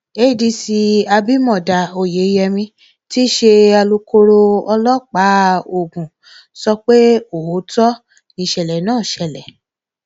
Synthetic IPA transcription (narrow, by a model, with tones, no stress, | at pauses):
e˦i˦˨di˧si˧a˧bi˦mɔ̃˦˨da˨o˨je˨˦i˧˦jɛ˧mĩ˧ | ti˦ʃe˧a˧lu˧ko˧ɾo˧ɔ˧lɔ˦k͡pa˨˦o˨ɡũ˨ | sɔ˧k͡pe˦o˨ho˨˦tɔ˦ | nĩ˧˨ʃɛ˨lɛ˨˦nãː˦˨ʃɛ˧˨lɛ˨